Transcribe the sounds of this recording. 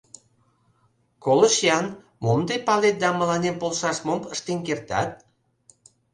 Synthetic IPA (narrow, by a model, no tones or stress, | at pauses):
koləʃjɑn | momd̪epɑlet̪̚d̪ɑməlɑnempolʃɑʃmompəʃt̪enkert̪ɑ̰t̪̚